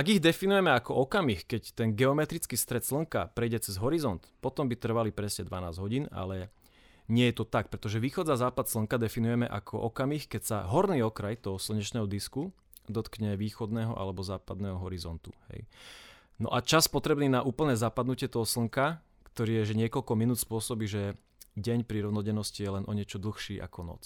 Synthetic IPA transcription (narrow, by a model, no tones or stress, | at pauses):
ʔaɡiɣd̪ɛfinujɛmɛakɔʔɔkamixkɛct̪ɛnɡɛɔmɛt̪ɾit͡skiːst̪ɾɛt̪sl̩ŋkapɾɛjɟɛt͡sɛzɦɔɾizɔnt̪pɔt̪ɔmbit̪r̩ʋalipɾɛsɲɛd̪ʋana̰ːzɟɦɔɟiːna̰lɛ | ɲɪɛjɛt̪ɔt̪ak̚pɾɛt̪ɔʒɛʋiːxɔd͡zazaːpat̪sl̩ŋkad̪ɛfinujɛmɛʔa̰kʰɔ̰ʔɔkamixkɛcsaɦɔɾniːɔkɾajt̪ɔɦɔsl̩ɲɛt͡ʃnɛːɦɔd̪isku | d̪ɔt̪kɲɛʋiːxɔd̪nɛːɦɔ̰ʔa̰lɛbɔzaːpad̪nɛːɦɔɦɔɾizɔnt̪u̥hɛ̰j | nɔ̰ʔat͡ʃaspɔt̪ɾɛbniːnaʔuːpl̩nɛːzaːpad̪nucɪɛt̪ɔɦɔsl̩ŋka | kt̪ɔɾiːjɛʒɛɲɪɛkɔʎkɔminuːt̪spʊɔsɔbiːʒɛ | ɟɛɲpɾiɾɔʊnɔɟɛnɔscijɛlɛnʔɔɲɪɛt͡ʃɔd̪l̩ˠxʃiːʔa̰kɔnɔ̰t͡s